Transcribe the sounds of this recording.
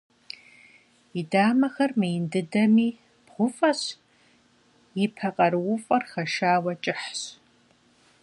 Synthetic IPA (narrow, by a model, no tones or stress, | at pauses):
idaːmɐxɐrmɨjɪndɨdɐmiː | b̥ʁʷʊfʼɐɕ | jɪpʰɐqʼɐɾwʊfʼɐrxɐʃaːwɐt͡ʃʼɪħɕ